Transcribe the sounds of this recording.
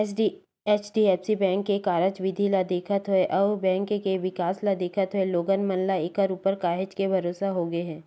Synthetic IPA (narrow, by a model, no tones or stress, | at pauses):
eːt͡ʃɖiɛːpsibɛ̃ːŋkːekaːɾət͡ʃʋɪd̪ʱilad̪eːkʰət̪ɦoeʔɐːbɛ̃ːŋkkeʋɪkaːslad̪eːkʰət̪ɦoeloːɡənmənlaɪkəɾuːpəɾkaːɦɪd͡ʒkebʱɐɾoːsaɦoɡəeɦɛ̃ː